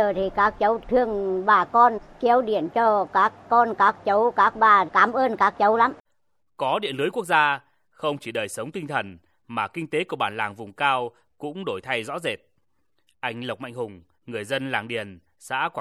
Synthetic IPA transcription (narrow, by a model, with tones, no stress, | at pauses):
əː˨˩t̪ʰi˨˩kaː˨˦˥k̚t͡ɕə˨˦wt̪ʰɨ˧əŋɓaː˨˩kɔ˧nki˨˦əwɗḭ˧˩˨ənt͡ɕɔ˧kaː˦˥kːɔ˧nkaː˦˥k̚t͡ɕə˨˦wkaː˦˥k̚ɓaː˨˩kaː˨˦mʔəː˧nkaː˦˥k̚t͡ɕə˨˦wla˨˦m | kɔ˨˦ɗḭ˧˨ənlɨ˨˦jku˦˥ək̚zaː˧ | xə˧wŋ͡mt͡ɕi˧˩ɗəː˨˩jsə˨˦wŋ͡mt̪ï˧ŋ̟t̪ʰə˨˩n | maː˨˩kï˧ŋ̟t̪e˨˦ku˧˩əɓaː˧˩nlaː˨˩ŋvʊ˨˩ŋ͡mkaː˧w | kʊ̰˧˥ŋ͡mɗo˧˩jt̪ʰa˧jzɔ̰˧˥ze˨˩t̚ | ʔa˧jŋ̟lə˨˩wk͡p̚ma̰˧˨jŋ̟hʊ˨˩ŋ͡m | ŋɨ˨˩əjzə˧nlaː˨˩ŋɗi˨˩ən | sa̰ː˧˥kwa˧